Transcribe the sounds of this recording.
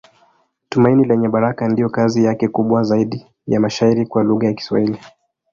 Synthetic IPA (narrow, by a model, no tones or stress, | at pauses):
tumainilɛɲɛɓaɾakandijɔkazijakɛkuɓwazaiɗi | jamaʃaiɾikwaluɣajaki̥swa̰hili